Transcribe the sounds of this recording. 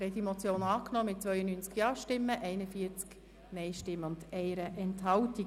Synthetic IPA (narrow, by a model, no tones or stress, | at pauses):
ɾɛt̪imɔt͡sjoːnɑːknɔːmɪt̚t͡sʋœʏjənyːnt͡skjɑːʃtɪmːəʔɛɪnəfiəɾt͡sk | mɛɪʃtɪmːəʊndɛɪɾəʔɛnthɑwti